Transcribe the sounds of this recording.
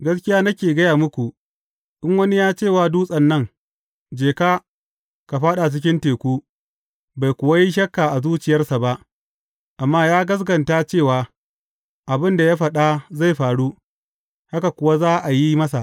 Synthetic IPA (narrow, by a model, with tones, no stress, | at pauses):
ɡɐ˦skʲɪ˦jaː˦nɐ˦kʲeː˨ɡɐ˦jaː˨mʊ˦kʷu˨ | ɗɪ˦ŋwɐ˦ni˦jaː˦t͡ʃeː˦˨waː˦duː˦sʼɐ˨nːɐ˦ŋ | d͡ʒeː˨kaː˦ | ka˨ɸaː˦ɗa˨t͡ʃɪ˦k̬ʲɪ˦nteː˨kʷuː˦ | ba˨jkʷʊ˨wa˦ji˦ʃ̬ɐ˦kːa˨ʔa˨zuː˦t͡ʃɪ˨jɐ˦rsa˨ba˦ʔ | ʔa˨mːaː˦jaː˦ɡɐ˦s̬ɡɐ˨nta˦t͡ʃeː˦˨waː˨ | ʔa˨bɪ˦nda˨ja˦ɸɐ˨ɗa˦za˦˨jɸaː˨ɽu˦ | ha˦ka˨kʷʊ˨˦wa˦zaː˦ʔa˨ji˦mɐ˦s̬a˨ʔ